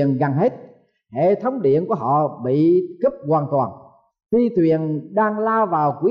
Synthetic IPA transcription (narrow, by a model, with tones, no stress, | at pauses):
ənɣa˨˩ŋɦe˦˥t̚ | hḛ˧˨t̪ʰə˨˦wŋ͡mɗḭ˧˨ənku˧˩əɦɔ̰˧˨ɓḭ˧˨kə˦˥p̚ɣwaː˨˩nt̪waː˨˩n | xi˧t̪ʰwi˨˩ənɗaː˧ŋlaː˧wvaː˨˩wkwi˨˦